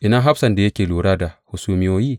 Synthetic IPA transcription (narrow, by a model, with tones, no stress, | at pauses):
ʔi˨na˦ɦa˦bsa˨nda˨je˦kʲeː˨luː˨ɾa˦da˨hu˨su˨˦mi˦wo˦ji˦